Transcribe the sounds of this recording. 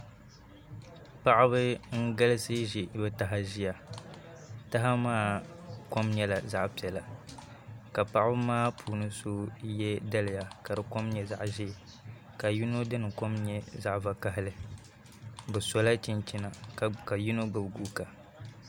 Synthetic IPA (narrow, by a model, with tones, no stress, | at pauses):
pa˦ʔɪ˦bɨ˦ŋ̩˦ɡa˦lɨ˦sɨ˦ʒi˨bɨ˦ta˨ɦa˨ʒi˦ja˨ | ta˦ɦa˦maː˦ko˦mɲɛ˦la˨za˦ʔpi˨ɛ˨la˨ | ka˨pa˦ʔbɨ˦maː˦pʰuː˨nɨ˦so˦jɛ˦da˦lɪ˨ja˨ka˨dɨ˨ko˦mɲɛ˦za˦ʔʒi˦˨ | ka˨ju˦no˦dɨ˦nɨ˨ko˦mɲɛ˦za˦ʔva˨ka˦ɦɪ˦lɨ˨ | bɨ˨so˦la˦t͡ʃi˦nt͡ʃi˦na˨ka˨ju˦no˦ɡɨ˨bɡuː˦ka˨